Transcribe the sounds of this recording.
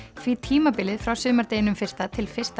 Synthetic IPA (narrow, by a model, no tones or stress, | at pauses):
fvit̪ʰiːmapɪlɪðfɾawsʏːmaɾt̪eːjɪnʏmfɪr̥st̪at̪ʰɪlfɪ̥st̪